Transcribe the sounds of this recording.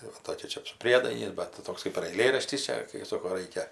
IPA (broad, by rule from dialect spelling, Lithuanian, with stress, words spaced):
tɐɪ ˈʋɐ ˈtoːkʲɛ ˈt͡ʃʲɛ sʊ ˈpʲrʲiɛdɐɪnʲɛɪs bʲɛt ˈtoːks kɜp ɪr ɐɪˈlʲeːrɐʃʲtʲɪs ˈt͡ʃʲɛ kɐɪ ˈsoːkoː ˈrɐɪkʲɛ